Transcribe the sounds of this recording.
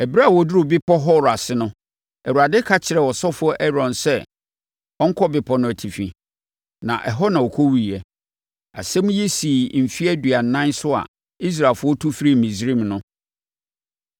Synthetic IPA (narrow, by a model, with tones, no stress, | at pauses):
ɛ˨ba˦˨wɔ˨dʊ˦ɾʊ˨bɪ˦pʰɔ˦ɦɔ˦˨ɾa˨sɪ˦nʊ̃˦ | ɛ˨wu˨a˨dɪ˦kʰa˦t͡ɕʰɪ˨ɾɛ˨wɔ˨sɔ˦fʊ˦ɔ˦ʔɛ˦ɾɔ̃˨nsɛ˦ | ɔ˦ŋ̩˦kʰɔ˦bɪ˨pʰɔ˨nʊ̃˦æ˨tʰi˨fĩ˨ | nã̰˨ʔɛ˨ɦɔ˦nã˨ɔ˨kʰo˦wi˦i˨ɛ˨ | a̰˨sɛ̃˦mũ˦jɛ˦si˨m̩˨fi˦ɛ˦dɥa˨n̩˨nã˦n˦sʊ˦a̰˨ | i˦s̬ɾaː˨lfʊ˦ɔ˦tʰu˦fɾi˦˨mĩ˨sɾĩ˦mnʊ̃˦